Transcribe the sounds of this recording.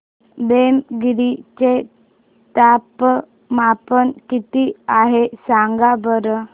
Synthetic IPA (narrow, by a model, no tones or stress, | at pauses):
bemɡiɾit͡ɕe | t̪ap | mapənkit̪iaɦesaŋɡabəɾə